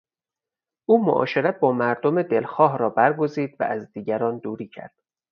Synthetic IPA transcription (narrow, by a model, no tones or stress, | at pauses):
ʔuːmoʔɒ̰ːʃe̞ɾæt̪̚bɒːmæɾd̪omed̪elxɒːɦɾɒːbæɾɡo̞ziːd̪væ̰ʔæzd̪iːɟæɾɒːnd̪uːɾiːcʰæ̰ɾd̪̥